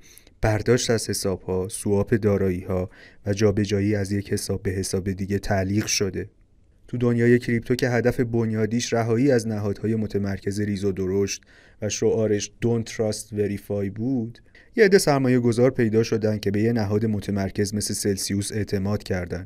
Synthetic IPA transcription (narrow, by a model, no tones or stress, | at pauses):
b̥æɾd̪ɒːʃt̪æz̥he̞sɒːb̥hɒːsuɒːpʰe̞d̪ɒːɾɒːiːhɒːvæd͡ʒɒːbe̞d͡ʒɒːjiːæzje̞che̞sɒːbːe̞ɦe̞sɒːbe̞d̪iɟe̞t̪ʰæliːɣʃo̞d̪e̞ | t̪ʰud̪o̞njɒːje̞cʰɾip̚t̪ʰokcʰe̞ɦæd̪æfe̞bo̞njɒːd̪iːʃɾæɦɒːiːæznæɦɒːd̪̥hɒːje̞mo̞t̪ʰe̞mæɾcʰe̞ze̞ɾizod̪o̞ɾo̞ʃt̪ | væʃo̞ʔɒːɾe̞ʃd̪̥ont̪ʰɾɒst̪ve̞ɾifɒjbuːd̪̥ | jed̪e̞sæɾmɒːje̞ɡo̞zɒːɾpʰe̞jd̪ɒːʃo̞d̪ænd̪̚cʰe̞be̞jenæɦɒːd̪e̞mot̪ʰe̞mæɾcʰe̞zme̞sle̞se̞lsiuːse̞ʔt̪ʰe̞mɒːd̪̥cʰæɾd̪ænd̪̥